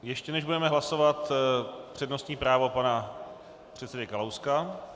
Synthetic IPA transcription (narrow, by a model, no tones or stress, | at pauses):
jɛʃcɛnɛʒbudɛmɛɦlaso̞vat̪pr̝̥ɛdno̞st̪ɲiːpɾaːvo̞pana | pr̝̥ɛt̪sɛdɛkalowska